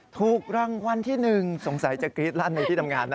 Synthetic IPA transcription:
t̪ʰuː˨˩kk̚ɾa˧ŋwa˧nt̪ʰiː˥˩nɯ˨˩ŋso˩˦ŋsa˩˦jt͡ɕa˨˩kɾiː˦˥t̪̚laː˥˩nmaː˧t̪ʰiː˥˩t̪a˧mŋaː˧nː˦

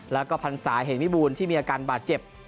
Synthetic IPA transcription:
lɛː˦˥wkɔː˥˩pʰa˧nsaː˩˦jɦeː˨˩˦nmi˦˥buː˧nt̪ʰiː˥˩miː˧a˧kaː˧nbaː˨˩t̪̚t͡ɕe˨˩p̚

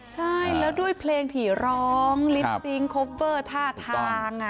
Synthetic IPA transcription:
t͡ɕʰa˥˩jlɛː˦˥wdu˥˩əjpʰleː˧ŋt̪ʰiː˩˦ɾɔː˦˥˦ŋli˦p̚si˦˥ŋkʰoː˦˥p̚wɤː˥˩t̪ʰaː˥˩t̪ʰaː˧ŋʔa˨˩

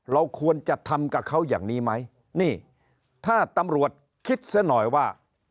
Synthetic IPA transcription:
ɾa˧wkʰu˧ənt͡ɕa˨˩t̪ʰa˧mka˨˩kʰa˦˥wja̰ː˨˩ŋniː˦˥ma˦˥j | niː˥˩ | t̪ʰaː˥˩t̪a˧mɾu˨˩ət̪̚ | kʰi˦˥t̪̚sa˦˥nɔː˨˩jwaː˥˩

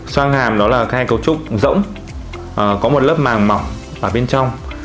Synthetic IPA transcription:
swaː˧ŋhaː˨˩mɗɔ˨˦laː˨˩ka˨˦ha˧jkə˧wt͡ɕʊ˦˥k͡p̚zə̰˧˥wŋ͡m | ʔkɔ˨˦mo˨˩t̚ləː˦˥p̚maː˨˩ŋma˨˩w | vaː˨˩ɓe˧nt͡ɕɔ˧wŋ͡m

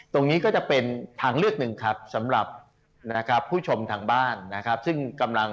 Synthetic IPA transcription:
t̪o˧ŋniː˦˥kɔː˥˩t͡ɕa˨˩pe˧nt̪ʰaː˧ŋɾɯ˥˩ək̚nɯ˨˩ŋkʰa˦˥p̚sa˩˦mɾa˨˩p̚ | na˦˥kʰa˦˥pʰːuː˥˩t͡ɕʰo˧mt̪ʰaː˧ŋbaː˥˩nːa˦˥kʰa˦˥p̚sɯ˥˩ŋka˧mla˧ŋ

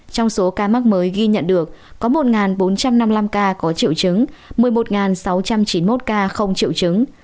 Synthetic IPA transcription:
t͡ɕɔ˧wŋ͡mso˨˦kaː˧ma˦˥k̚məː˨˦jɣi˧ɲə̰˧˨nɗɨ˨˩əkːɔ˨˦mo˨˩t̚ŋaː˨˩nɓo˨˦nt͡ɕa˧mna˧mla˧mkaː˧kɔ˨˦t͡ɕḭ˧˨əwt͡ɕɨ˨˦ŋmɨ˨˩əjmo˨˩t̚ŋaː˨˩nsa˨˦wt͡ɕa˧mt͡ɕi˨˦nmo˦˥t̚kaː˧xə˧wŋ͡mt͡ɕḭ˧˨əwt͡ɕɨ˨˦ŋ

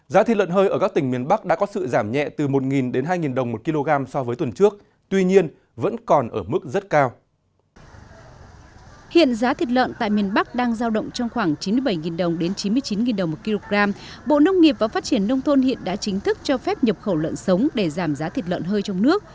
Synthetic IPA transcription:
zaː˨˦t̪i˨˩tlwə̰˧˨nɦəː˧jʔəː˧˩kaː˦˥k̚t̪ï˩ŋmi˨˩ənɓa˦˥k̚ɗa̰ː˧˥kɔ˨˦sɨ̰˧˨zaː˧˩mɲɛ̰˧˨t̪ɨ˨˩mo˨˩t̚ŋi˨˩nɗe˨˦nɦaː˧jŋi˨˩nɗə˨˩wŋ͡mmo˨˩t̚ki˧lo˧ɣaː˧msɔ˧vəː˨˦t̪wə˨˩nt͡ɕɨ˦˥ək̚ | t̪wi˧ɲi˧ən | və̰˧˥nkɔ˨˩nʔəː˧˩mɨ˦˥k̚zə˦˥t̚kaː˧w | hḭ˧˨ənzaː˨˦t̪ʰi˨˩t̚lwə̰˧˨nt̪a̰ː˧˨jmi˨˩ənɓa˦˥k̚ɗaː˧ŋzaː˧wɗə̰˧˨wŋ͡mt͡ɕɔ˧wŋ͡mxwaː˧˩ŋt͡ɕi˨˦nmɨ˧jɓa˧˩jŋi˨˩nɗə˨˩wŋ͡mɗe˨˦nt͡ɕi˨˦nmɨ˧əjt͡ɕi˨˦nŋi˨˩nɗə˨˩wŋ͡mmo˨˩t̚ki˧lo˧ɣaː˧m | ɓo̰˧˨nə˧wŋ͡mŋi˨˩əp̚vaː˨˩faː˦˥t̚t͡ɕi˧˩ənːə˧wŋ͡mt̪ʰo˧nhḭ˧˨ənɗa̰ː˧˥t͡ɕï˨˦ŋ̟t̪ʰɨ˦˥k̚t͡ɕɔ˧fɛ˦˥p̚ɲə˨˩p̚xə˧˩wlə̰˧˨nsə˨˦wŋ͡mɗe˧˩zaː˧˩mzaː˨˦t̪ʰi˨˩t̚lwə̰˧˨nɦəː˧jt͡ɕɔ˧wŋ͡mnɨ˦˥ək̚

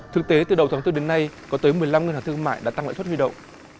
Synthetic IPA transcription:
t̪ʰɨ˨˩k̚t̪e˨˦t̪ɨ̰˨˩ɗə˨˩wt̪ʰa˨˦ŋt̪ɗe˨˦nna˧jkɔ˨˦t̪əː˨˦jmɨ˨˩əjla˧mŋi˨˩nhaː˨˩t̪ɨ˧ə˧ŋma̰ː˧˨jɗa̰ː˧˥t̪a˧la̰ː˧˨st̚hwi˧ɗə̰˧˨wŋ͡mʔ

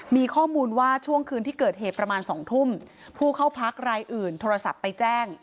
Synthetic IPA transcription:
miː˧kʰɔː˥˩muː˧nwaː˥˩t͡ɕʰu˥˩əŋkʰɯː˧nt̪ʰiː˥˩kɤː˨˩t̪̚ɦeː˨˩t̪̚pɾa˧maː˧nsɔː˩˦ŋt̪ʰu˥˩m | pʰuː˥˩kʰa˥˩wpʰa˦˥k̚ɾaː˧jʔɯː˨˩nt̪ʰoː˧ɾa˧sa̰˨˩pːa˧jt͡ɕɛː˥˩ŋ

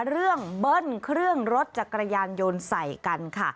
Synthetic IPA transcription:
ɾɯ˥˩əŋbɤ˧˥˩nkʰɾɯ˥˩əŋɾo˦˥t̪̚t͡ɕa˨˩kːɾa˧jaː˧njo˧nsa˨˩jka˧nkʰa˥˩

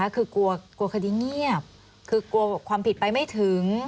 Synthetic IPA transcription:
a˦˥kʰɯː˧ku˧ɐku˧ɐkʰa˧diː˧ŋi˥˩əp̚ | kʰɯː˧ku˧ɐkʰwaː˧mpʰi˨˩t̪̚pa˧jma˥˩jt̪ʰɯ˩˦ŋ

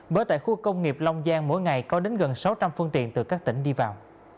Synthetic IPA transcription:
ɓəː˨˦jt̪a̰ː˧˨jxu˧kə˧wŋ͡mŋi˨˩əp̚la˧wŋ͡mzaː˧nmo̰˧˥jŋa˨˩jkɔ˨˦ɗe˨˦nɣə˨˩nsa˨˦wt͡ɕa˧mfɨ˧əŋt̪ḭ˧˨ənt̪ɨ˨˩kaː˦˥k̚t̪ï˧˩ŋ̟ɗi˧vaː˨˩w

